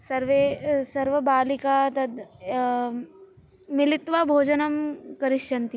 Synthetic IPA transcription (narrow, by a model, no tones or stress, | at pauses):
sɐɾʋesɐɾʋɐbaːlikat̪ɐd̪ | mɪlɪt̪ʋabʱoːd͡ʒɐnɐmkɐɾiʃjɐnt̪i